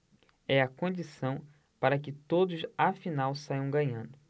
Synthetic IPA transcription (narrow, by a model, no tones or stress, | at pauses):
ɛɐkõnd͡ʒisɐ̃w̃ | paɾɐkɪt̪od̪ʊsafinawsajɐ̃w̃ɡɐ̃ɲɐ̃nd̪ʊ